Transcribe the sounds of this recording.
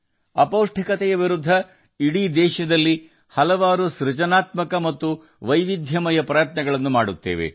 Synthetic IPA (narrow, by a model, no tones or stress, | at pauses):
ɐpoːwʂʈʰikɐt̪ɛjɐʋiɾud̪ʱːɐ | iɽiːd̪ɛːʃɐd̪ɐlːi | hɐlɐʋaːɾuʃɾut͡ʃɐnaːt̪mɐkɐmɐt̪ːu | ʋɐjʋid̪ʱjɐmɐjɐpɾɐjɐt̪nɐɡɐɭɐnːumaːɽut̪ːe̞̰ːʋḛ